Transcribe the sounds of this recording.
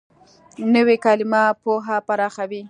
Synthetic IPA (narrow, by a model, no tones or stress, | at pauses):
nəwekɑlɪmɑpoɦapaɾɑxawi